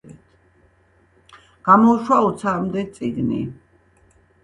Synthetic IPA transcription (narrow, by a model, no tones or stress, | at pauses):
ɛt̪ʰ | ɡ̥amɔuʃwaɔt̪sʰaːmd̪ɛt̪sʼiɡnḭ